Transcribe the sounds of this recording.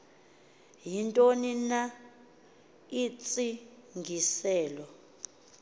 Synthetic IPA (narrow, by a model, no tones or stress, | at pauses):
jintʼonina | it͡sʼiŋɡʱisɛːlɔ